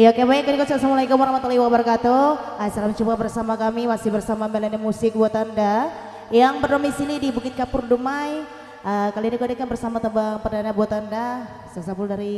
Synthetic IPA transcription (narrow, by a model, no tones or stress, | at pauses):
ijaokebajakanikɔsalsamulaikumaɾahmat̪aliwabərkat̪oasalamt͡ʃubabərsamakamimasɪhbərsamamelanimusɪk̚buat̪anda | jaŋbərnomisilidibukɪt̪̚kapʊrdumaj | əkalinikuadakanbərsamat̪əmbaŋpərdanabuat̪anda | salsapuldaɾi